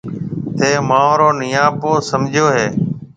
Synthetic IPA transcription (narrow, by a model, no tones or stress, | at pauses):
t̪ʰeːmãːõːɾoːnɪjãːpoːsəmd͡ʒʱjoːɦeː